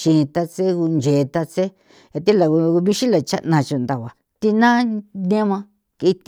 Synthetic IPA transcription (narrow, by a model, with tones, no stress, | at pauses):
ʃi˧nĩ˧t̪a˧t͡se˦ku˧nd͡ʒe˨˧t̪a˧t͡se˦ | ja˧t̪i˦la˨ku˧u˧βi˦ʃi˦la˨t͡ʃa̰˦nã˧t͡ʃu˧˨nd̪a˨βa˨ | t̪i˧nã˦nẽ˦mã˧ | kːt̪